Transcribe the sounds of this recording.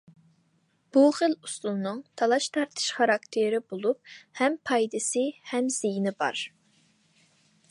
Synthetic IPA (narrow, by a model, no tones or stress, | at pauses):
b̥uχəlust̪ulˠnɨŋt̪ʰɑlˠɑʃt̪ʰɑɾt̪ʰɨ̥ʃχɑɾɑkt̪ʰɪɾɪbolˠup̚hɛmpʰɑjd̪ɨsɨhɛmz̥ijnɪbɑ̰ɾ